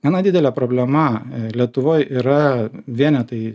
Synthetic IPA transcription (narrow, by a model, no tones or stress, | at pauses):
ɛnɐd̪ʲɪːd̪ʲɛlʲɛpɾoːbʲlʲɛmɐlʲiɛt̪ʊʋoːjiːɾɐʋʲiɛnʲɛt̪ɐɪ